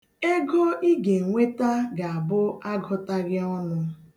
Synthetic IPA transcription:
e˦ɡɔ˦ʔi˦ɡe˨ŋ̩˨ŋʷe˦ta˦ɡa˨a˨bʊ˦a˦ɡɔ˦ta˦ɾja˦ɔ˦nʊ˦

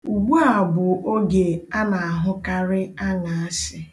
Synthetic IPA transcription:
u˨ɡ͡bu˦a˨bʊ˨o˦ɡe˨a˦na˨a˨ɦʊ˦ka˦ɾɪ˦a˦na˨a˦sɪ˦

